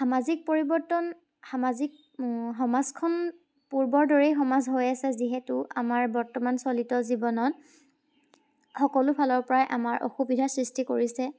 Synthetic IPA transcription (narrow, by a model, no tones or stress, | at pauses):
xamazik̚poɹibɔɹtɔn | xamazik̚ | xɔmazkʰɔn | puɹbɔɹdɔɹɛjxɔmazɦojasɛziɦɛtʊamaɹbɔɹtɔmansolitɔzibɔnɔt | xɔkɔlʊpʰalɔɹpɔɹajʔa̰maɹʔo̰xubidʱasɹistikoɹisɛ